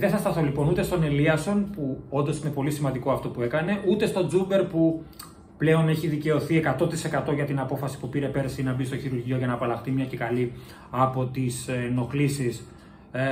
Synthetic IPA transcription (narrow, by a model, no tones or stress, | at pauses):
ðeθɐst̪ɐθo̞lipo̞nut̪e̞st̪o̞ne̞liɐso̞npuo̞nd̪o̞sine̞po̞lisimɐnd̪iko̞ɐft̪o̞pue̞kɐne̞ʔut̪e̞st̪o̞d͡zube̞ɾpu | ple̞o̞ne̞çiðice̞o̞θie̞kɐt̪o̞t̪ise̞kɐt̪o̞ʝɐt̪inɐpo̞fɐsi̥pupiɾe̞pe̞ɾsinɐbist̪oçiɾuɾʝio̞ʝɐnɐːpɐlɐxt̪imɲɐcekɐli | ɐpo̞t̪isno̞xlisis